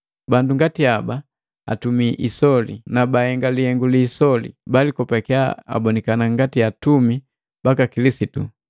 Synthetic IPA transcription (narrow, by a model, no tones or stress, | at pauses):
banduŋɡatiaba | a̰tumiʔisɔlḭnabahɛŋɡalihɛŋɡuliːsɔlḭbalikɔpɛkɛaa̰bɔnikanaŋɡatiatumi | b̥akakilisitṵ